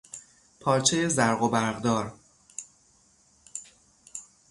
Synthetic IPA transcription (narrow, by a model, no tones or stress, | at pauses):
pʰɒːɾt͡ʃʰejezæɾɣobæɾɣd̪ɒːɾ